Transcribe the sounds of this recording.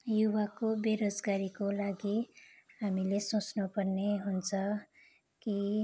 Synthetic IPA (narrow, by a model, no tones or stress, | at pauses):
juβakobeɾod͡zɡaɾikolaɡiɦamilesot͡snupʌrneɦunt͡sʰʌ | ki